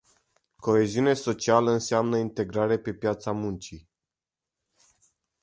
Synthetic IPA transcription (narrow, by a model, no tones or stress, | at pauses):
ko̞e̞ziuneso̞t͡ʃialəɨnseamnəint̪e̞ɡɾaɾepe̞pjat̪samunt͡ʃi